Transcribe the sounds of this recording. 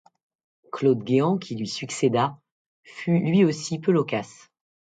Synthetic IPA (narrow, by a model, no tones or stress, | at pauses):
klod̪ɡʲeɑ̃kʲʰilɥisyksed̪a | fylɥiosipølɔkas